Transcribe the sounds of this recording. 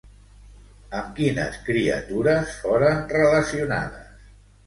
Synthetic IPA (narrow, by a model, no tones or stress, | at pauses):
əmkinə̰skɾiə̰t̪uɾəsfoɾənrələsiuna̰ðəs